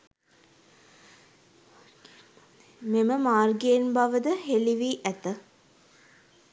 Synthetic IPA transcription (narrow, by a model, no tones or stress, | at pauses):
meməmaːrɡeːnbaʋəd̪əɦeliʋiːʔæt̪ə